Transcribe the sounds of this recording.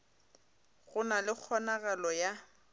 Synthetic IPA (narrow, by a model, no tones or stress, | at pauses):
ɣʊnalɪk͡xʰɔnaɣalɔja